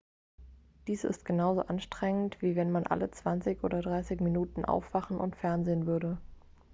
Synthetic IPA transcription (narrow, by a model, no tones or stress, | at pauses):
d̥iːsɪ̰stɡ̥ənaʊzo̰ːʔanʃtʁ̥ɛŋəntv̥iːvɛnmanʔa̰lət͡sv̥ant͡sɪçʔo̰ːdɐdʁaɪsɪçminuːtn̩ʔa̰ʊfv̥aχn̩ʔʊ̰ntfɛɐnzeːənvʏɐɾə